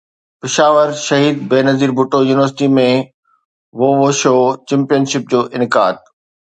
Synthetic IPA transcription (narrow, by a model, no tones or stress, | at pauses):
pɪʃaːʋəɾʃɐɦiːd̪̚beːnɐziːɾbʱʊʈojuːnɪʋəɾsɪʈimẽ | ʋoʋoʃoːt͡ɕɛ̃ːmpijənʃɪp̚d͡ʑoːʔɪnɪkaːd̪̚